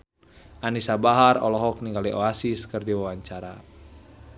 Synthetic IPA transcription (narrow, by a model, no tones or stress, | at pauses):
ʔanisabaɦarɔ̰lɔɦɔk̚niŋɡaliʔɔasiskərdiwawaɲt͡ʃaɾa